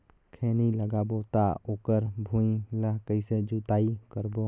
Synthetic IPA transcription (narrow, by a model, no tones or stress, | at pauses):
kʰeːniləɡaboːt̪aoːkəɾbʱũiləkəised͡ʒut̪aːikəɾbo